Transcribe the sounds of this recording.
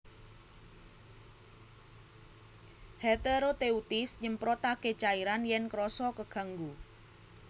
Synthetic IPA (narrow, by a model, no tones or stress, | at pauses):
het̪eɾot̪eut̪ɪsɲəmpɾɔt̪aɡ̥et͡ʃaiɾanjɛnkɾɔsɔkəɡ̥a̤ŋɡu